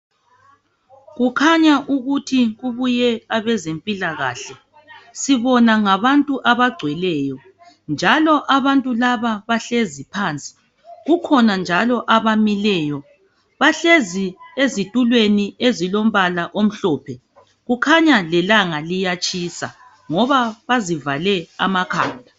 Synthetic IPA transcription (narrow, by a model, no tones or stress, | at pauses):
ɣukʰaɲaʔuɣutʰiɣuβujɛaβɛzempʼilaɣa̰ːɬɛ | siβɔnaŋaβantʼuʔaβaɡ͡ǀʱwɛlɛːjɔ | nd͡ʒʱalɔʔaβantʼulaβaβaɬezipʰaːnt͡sʼi̥ | ɣukʰɔnand͡ʒʱalɔʔaβamilɛːjɔ | βaɬeziezitʼulweniezilom̩βalaʔom̩ɬɔːpʰɛ | ɣukʰaɲalɛlaŋalijat͡ʃʼisa̰ | ŋɔβaβazivalɛamakʰa̰ːndʱa